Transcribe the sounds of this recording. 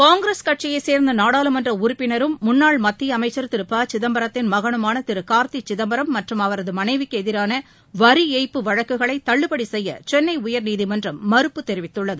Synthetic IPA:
kaːŋɡɾeːskɐʈ̚t͡ʃɪjɐɪseːɾnd̪ɐnaːɽaːlɯmɐndrɐʊɾʊpːɪnɐɾɯmːʊnːaːɭmɐt̪ːɪjɐɐmɐɪt͡ʃːɐɾt̪ɪɾɯpːaːt͡ʃɪðɐmbɐɾɐt̪ːɪnmɐɣɐɳɯmaːnɐt̪ɪɾɯkːaːɾt̪it͡ʃːɪðɐmbɐɾɐmːɐʈrɯmɐʋɐɾɐðɯmɐnɐɪʋɪkːɯɛðɪɾaːnɐ | ʋɐɾiɛɪpːɯʋɐɻɐkːɯɣɐɭɐɪt̪ːɐɭːɯpːɐɽisɛjːɐ̰t͡ʃɛnːɐɪʊjɐɾniːðimɐndrɐmːɐɾɯpːɯt̪ːɛɾɪʋɪt̪ːɯɭːɐðɯ

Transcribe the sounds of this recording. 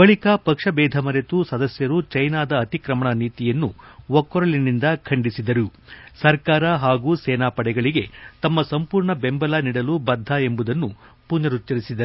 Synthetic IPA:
bɐɭikɐpɐkʂɐbɛːd̪ʱɐmɐɾet̪usɐd̪ɐsjɐɾut͡ʃɐjnaːd̪ɐːt̪ikɾɐmɐɳɐniːt̪ijɐnːuwɔkːɔɾɐɭinind̪ɐkʰɐɳɖisid̪ɐɾusɐɾkaːɾɐɦaːɡuːsɛːnaːpɐɽɛɡɐɭiɡe̞t̪ɐmːɐsɐmpuːɾɳɐbe̞mbɐlaniːɽɐlubɐd̪ʱae̞mbud̪ɐnːu | puɲːɐɾut͡ʃːɐɾisid̪ɐɾu

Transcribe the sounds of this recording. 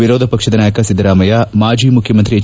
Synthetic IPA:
iɾoːd̪ʱɐpɐkʂɐd̪ɐnaːjɐkɐsid̪ːɐɾaːmɐjamaːd͡ʒiːmukʰjɐmɐnt̪ɾie

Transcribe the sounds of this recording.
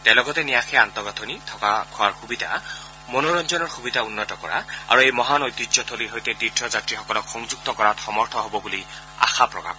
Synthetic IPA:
t̪ɛlɔɡɔt̪enijaxʰɛant̪ɔɡɔt̪ʰonit̪ʰɔkakʰʊaɹxubid̪ʱa̰ | monoɹɔnd͡ʒɔnɔɹxubid̪ʱaunːɔtɔkɔ̰ɹa̰a̰ɹuejmɔɦanojt̪id͡ʒɔt̪ʰoliɦojt̪et̪itʰːɔzatɹixɔkɔlɔkxɔŋzuk̚t̪ɔkɔɹat̪xɔmɔɹt̪ʰɔɦobɔbuli | a̰xapɹɔ̰ka̰k

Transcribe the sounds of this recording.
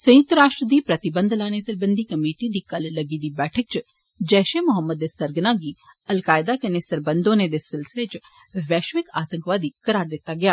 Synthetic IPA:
sɐ̃j̃ʊk̚t̪əɾaːʃʈɾəd̪ipɾɐt̪ɪbə̃nd̪ʱlaːnesɐɾbə̃nd̪ʱikɐmiːʈid̪ikɐllɐɡid̪ibɛːʈʰək̚t͡ʃ | d͡ʒɛːʃemʊɦəmːəd̪esɐɾɡnaɡi | ɐlkaːɪd̪akɐnesɐɾbə̃nd̪õned̪esɪlsɪlet͡ʃ | ʋɛːʃʋɪkaːt̪ə̃ŋkʋaːd̪ikɐɾaːɾd̪eːt̪aɡɐjaː

